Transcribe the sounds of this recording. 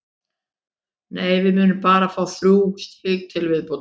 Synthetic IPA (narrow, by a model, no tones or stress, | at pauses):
neːjvɪmʏːnʏmpaːɾafaːwθɾuːkst̪hɪːk̚t̪ʰɪlvɪðpow